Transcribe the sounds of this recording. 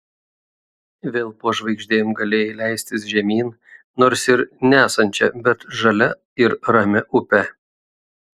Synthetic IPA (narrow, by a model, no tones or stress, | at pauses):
ʋʲeːlˠpoːʒʋɐɪɡʒʲd̪ʲeːmɡɐlʲeːjɪlʲæˑɪsʲt̪ʲɪsʒʲɛmʲiːn | noːɾsɪɾnʲæːsɐnʲt͡ʃʲɛbʲɛt̪ʒɐlʲɛ | ɪɾɾɐmʲɛʔʊpʲɛ